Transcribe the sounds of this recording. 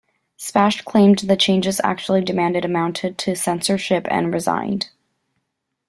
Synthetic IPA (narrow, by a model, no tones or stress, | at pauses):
spæʃkʰl̥ẽɪ̃mðɨt͡ʃʰẽɪ̃nd͡ʒɨzæ̰k̚t͡ʃul̩ˠidɨmæ̃ndɨɾɨmãʊ̃ntʰɨd̚tʰɨsɛ̃nsə˞ʃɪpɨ̰̃nɹɨzã̰ɪ̃nd̥